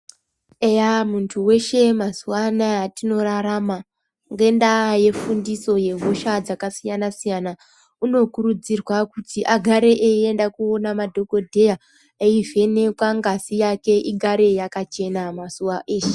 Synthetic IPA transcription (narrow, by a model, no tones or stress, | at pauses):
ejamuntʰuwe̞ʃe̞mazuwanajatino̞ɾaɾama | ŋɡe̞ndaje̞fundiso̞je̞ɦuʃad͡zakasijanasijana | uno̞kuɾud͡zirwakutʰiʔaɡʱaɾe̞ʔeendakuonamadʱo̞ko̞dʱeja | eive̞nekwaŋɡasijake̞ʔiɡʱaɾe̞jakat͡ʃe̞namasuwaʔeːʃe̥